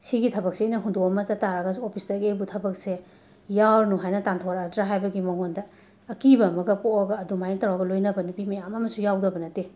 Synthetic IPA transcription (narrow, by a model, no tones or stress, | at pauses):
sʰiɡitʰɐbɐk̚seijnɐɦundoɐmɐzɐtaɾɐɡɐsopʰisdɐɡebutʰɐbɐk̚se | jawɾnuɦajnɐtantʰowɾadɾaɦajbɐɡimɐŋondɐː | kibɐmɐɡɐpoɐɡɐːdumajŋtawaɡɐlojnɐbɐnupimɐjamɐmɐsujawdɐbɐnɐte